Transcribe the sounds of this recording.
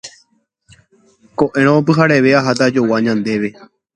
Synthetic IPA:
ko̞ʔẽ̞ɾ̃õop̬ɨɦaɾe̞ʋe̞aɦat̪̬ad͡ʒo̞waɲãnd̪e̞ʋe̞

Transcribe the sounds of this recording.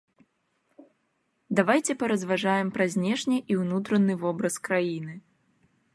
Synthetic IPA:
d̪avajt͡sʲɛpɐɾɐzvaʐajɛmpɾɐzʲnʲɛʂnʲiʔiwnut̪ɾɐnɨvɔbɾɐskɾajinɨ

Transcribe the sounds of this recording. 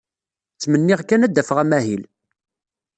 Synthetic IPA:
t͡sːmənːɪʁkːænæd̪ːæfəʁæmæɦil

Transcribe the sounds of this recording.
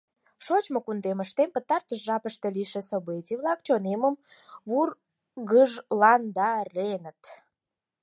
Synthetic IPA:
ʃot͡ɕmokund̪eməʃt̪empət̪ɑrt̪əʃʒɑpəʃt̪ĕliʃĕsobet͡siβlɑkt͡ɕoneməm | βur | ɣəʒlɑnd̪ɑɾenət̪

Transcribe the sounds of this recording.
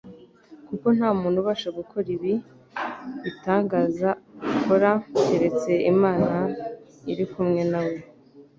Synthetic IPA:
kuko̞n̥haːmuːnhuβaːʃaɡukʰo̞ɾiβi | itaːŋɡaːzaukoɾaeɾe̞t͡se̞imaːna | iɾikumŋe̞nawe̞

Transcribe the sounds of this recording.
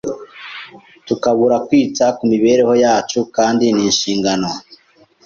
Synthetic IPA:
tukaβuɾakwiːt͡sakumiβe̞ːɾe̞ho̞jaːt͡ʃukaːndiniːnʃiːŋɡano̞

